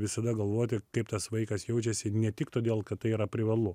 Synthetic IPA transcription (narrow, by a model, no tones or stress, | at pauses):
ʋʲɪsɐd̪ɐɡɐlˠʋoːt̪ʲɪkɐɪpt̪ɐsʋɐɪkɐsjɛʊt͡ʃʲɛsʲɪnʲɛt̪ʲɪkt̪oːd̪ʲeːlˠkɐt̪t̪ːɐɪiːɾɐpʲɾʲɪʋɐlˠʊ